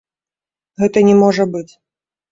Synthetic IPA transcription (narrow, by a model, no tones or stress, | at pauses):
ɣɛt̪ɐnʲɛmɔʐɐbɨt͡sʲ